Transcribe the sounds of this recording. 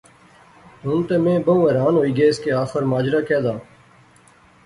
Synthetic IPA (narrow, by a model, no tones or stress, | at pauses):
ɦʊnt̪emẽːbəũːɛːɾaːnɦoːiːɡeːɪskeaːxəɾmaːd͡ʒɾaːkɛːd̪aː